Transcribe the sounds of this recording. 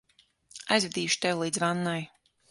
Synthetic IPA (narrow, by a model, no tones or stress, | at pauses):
ajzvʲɛd̪iːʃu̥t̪ewlˠiːd̪zvanːaj